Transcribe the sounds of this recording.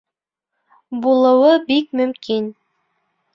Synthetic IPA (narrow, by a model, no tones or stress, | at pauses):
bulˠɤ̆wɤbik̚mɵ̆mkin